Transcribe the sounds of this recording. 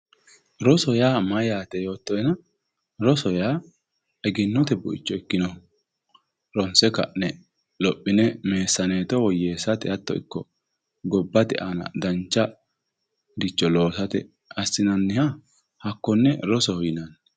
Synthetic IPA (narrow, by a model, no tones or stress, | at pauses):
ɾɔsɔjaːmɐjaːt̪ɛjo̞ːt̪ːɔjɛnɐ | ɾɔsɔjaː | ɛɡɪnːɔt̪ɛbʊɪ̰t͡ʃːɔɛkːɪnɔ | ɾɔnsɛkɐ̰ʔnɛ | lɔpʼːɪnɛme̞ːsːɐneːt̪ɔwɔjːeːsɐt̪ɛɐt̪ːɔ̰ɪ̰kːɔ | ɡɔbːɐt̪ɛʔanɐ̰d̪ɐnt͡ʃːɐ | d̪ɪt͡ʃːɔlo̞ːsɐt̪ɛ | ɐsːɪnɐnːɪha | hɐkːɔnːɛɾɔsɔhɔjɪnɐn